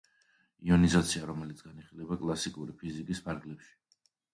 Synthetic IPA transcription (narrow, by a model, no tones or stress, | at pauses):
iɔnizat̪sʰiaɾɔmɛlit̪sʰɡaniχilɛbakʼlˠasikʼuɾipʰizikʼispʰaɾɡlɛpʃi̥